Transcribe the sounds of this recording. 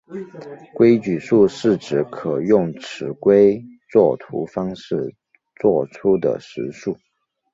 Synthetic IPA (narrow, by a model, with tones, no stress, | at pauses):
kwe˥ɪt͡ɕy˨˩ʂu˥˧ʂɻ̩˥˩ʈ͡ʂɻ̩˨˥kʰɤ˨˩jʊ˥˩ŋʈ͡ʂʰɻ̩˧˥kwe˥ɪt͡swɔ˥˩t̪ʰṵ˧˥fɑ˥ŋʂɻ̩˥˩ | t͡swɔ˥˩ʈ͡ʂʰu˥d̪ə̰˨ʂɻ̩˧˥ʂu˥˩